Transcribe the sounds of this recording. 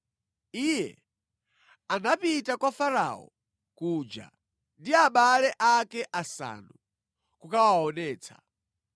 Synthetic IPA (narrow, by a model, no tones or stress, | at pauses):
ijɛ̰ | anapitakwafaɾa̰ɔ̰ | kuːd͡ʒa̰ | ndiaɓalɛʔakɛʔasa̰ːnu | kukawaɔnɛːt͡sʰḁ̰